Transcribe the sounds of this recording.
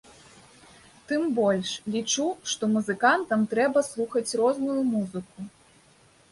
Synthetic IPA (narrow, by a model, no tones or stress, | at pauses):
t̪ɨmbɔlʲʂlʲit͡ʂuʂt̪ɔmuzɨkant̪ɐmt̪ɾɛbɐslˠuxɐt͡sʲrɔznujumuzɨku